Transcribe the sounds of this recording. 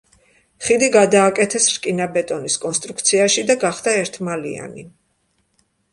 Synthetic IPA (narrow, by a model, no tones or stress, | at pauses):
χid̪iɡad̪aːkʼɛt̪ʰɛsɾkʼinabɛt̪ʼɔniskʼɔnst̪ʼɾuk̚ʰt̪sʰiaʃid̪aɡaχd̪aɛɾt̪ʰmalḭa̰nḭ